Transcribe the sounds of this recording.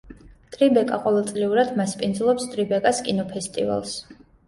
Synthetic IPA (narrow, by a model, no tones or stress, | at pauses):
t̪ʼɾibɛkʼaqʼɔvɛlˠt̪sʼliuɾad̪maspʼind̪zlˠɔpst̪ʼɾibɛkʼaskʼinɔpʰɛst̪ʼḭva̰lˠs